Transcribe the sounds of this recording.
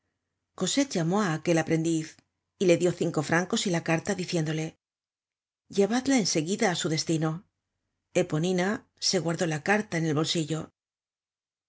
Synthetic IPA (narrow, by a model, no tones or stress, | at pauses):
ko̞se̞t̪̚ʝamo̞aːke̞lapɾe̞nd̪iθ | ile̞ðjo̞θiŋko̞fɾʔaŋko̞silakaɾt̪aðiθje̞nd̪o̞le̞ | ʝeβaðlaense̞ɣiðaːsuðe̞st̪ino̞ | e̞po̞nina | se̞ɣwaɾðo̞lakaɾt̪aene̞lβo̞lsiʝo̞